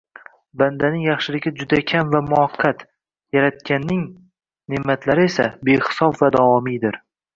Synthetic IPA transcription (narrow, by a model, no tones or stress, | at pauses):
band̪anɪŋjɑχʃɪlɪɡʲɪd͡ʒʊd̪akʲʰamvamʊɑqʰːat̪ | jaɾat̪̚kʲanːɪŋ | nɪmːat̪laɾɪe̞sabeχsɒfvad̪ɒɒmid̪ɪɾ